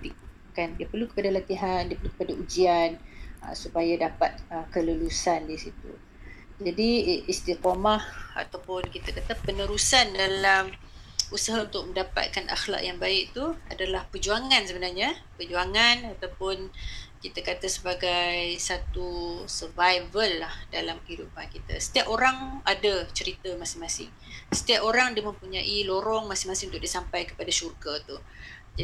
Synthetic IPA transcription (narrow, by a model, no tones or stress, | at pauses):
t̪ik̚ | kandiapərlukə̥padalat̪iɦandiəpərlukə̥padaʔud͡ʒianə̰supajadapat̪̚əkələlusandisit̪ṵ | d͡ʒadiist̪ikomaha̰t̪awpʊnkit̪akat̪apənəɾusandalam | usaɦaunt̪ʊk̚məndapa̰t̪̚kanʔa̰xla̰kjaŋbaɪk̚t̪uadalahpərd͡ʒuaŋansəbənarɲa | pərd͡ʒuaŋanat̪awpʊnkit̪akat̪asəbaɡajsat̪usərvajvəlːahdalamkəɦidupankit̪a̰sə̥t̪iapoɾaŋadat͡ʃəɾit̪amasɪŋmasɪ̰ŋ | sə̥t̪iapoɾaŋdiəmə̃mpuɲaʔiloɾɔŋmasɪ̃ŋmasɪŋunt̪ʊkdisampajkə̥padaʃurɡat̪ud͡ʒa